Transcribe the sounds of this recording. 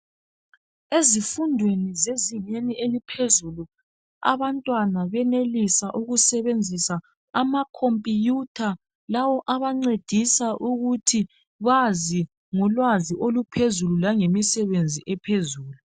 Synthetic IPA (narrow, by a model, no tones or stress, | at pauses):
ezifundʱwenizeziɲeniʔelipʰezulu | a̰βantʼwanaβɛnelisaʔuɣusɛβend͡zʱisaː | makʰompʼijutʰa | lawɔʔaβaŋ͡ǀed̥ʱisaʔuɣutʰi | βazi | ŋɔlwaziʔolupʰezululaŋemisɛβend͡zʱiʔɛpʰezuːlu